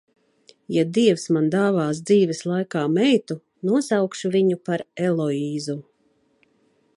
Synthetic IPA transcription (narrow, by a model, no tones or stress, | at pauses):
jad̪iɛwsmand̪aːvaːs̬d̪ziːvɛslˠajkaːmɛjt̪u | nuɔsawkʃuviɲupaɾɛlˠɔiːzu